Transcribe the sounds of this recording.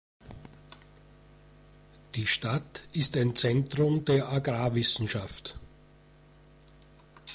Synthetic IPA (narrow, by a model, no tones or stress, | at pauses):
d̥iːʃtatɪstaɪnt͡sɛntʁʊmdeːɐʔaɡʁaːvɪsn̩ʃaft